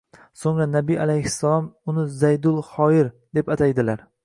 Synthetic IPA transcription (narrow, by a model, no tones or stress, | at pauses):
soŋɾanabialajhɪsːalˠɒmʊnɪzajd̪ʊlˠhɒɪɾd̪e̞pat̪ʰajd̪ɪlaɾ